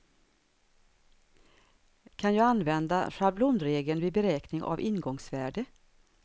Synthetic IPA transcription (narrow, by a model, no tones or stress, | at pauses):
kʰanjɑːɡanːvɛnd̪a̰ʂaɾblʊnd̪ɾeːɡənvɪbɛɾɛːknɪŋʔa̰vɪnɡɔŋsvæːɖə